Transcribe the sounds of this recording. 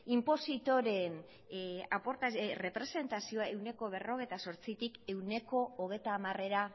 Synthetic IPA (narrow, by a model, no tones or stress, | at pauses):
impo̞sit̪o̞ɾe̞n | apo̞ɾt̪are̞pɾe̞se̞nt̪asio̞aewne̞ko̞β̞e̞ro̞ɣ̞e̞jt̪aso̞ɾt͡sit̪ike̞wne̞ko̞ːɣ̞e̞jt̪aːmare̞ɾa